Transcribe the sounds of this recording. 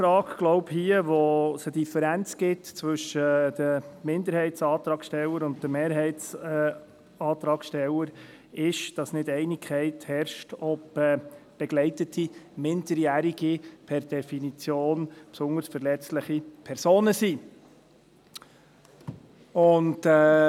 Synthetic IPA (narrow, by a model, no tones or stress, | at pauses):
fɾɑːkɡ̥lɔʊbhiəʋosədifəɾænt͡sɡ̥ɪtt͡sʋʏʃəd̥əmɪnd̪əɾhɛɪtsɑːt̪ɾɑːkʃtɛlːəɾʊnt̚d̥əmeːɾɦɛɪts | ɑːt̪ɾɑːkʃtɛləɾ | ɪʃd̥ɑsnɪdɛɪnikʰɛɪthɛɾʃtɔpɛːb̥ɛɡ̥lɛɪtətʰimɪndəɾjæːɾiɡ̥ipʰɛɾd̥ɛfinit͡sjoːnpsʊŋdəɾsfəɾlɛt͡stləχipʰɛɾsoːnəsi | ʊndɛː